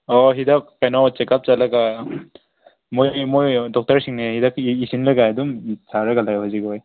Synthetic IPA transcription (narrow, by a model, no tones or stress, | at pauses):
ɔɦidak̚ːajnɔwt͡ʃɛkap̚t͡ʃalaɡa | mojmojdɔk̚taɹsiŋnehidakisinlɯɡadumsaɾɯɡalajɦɔziɡɔj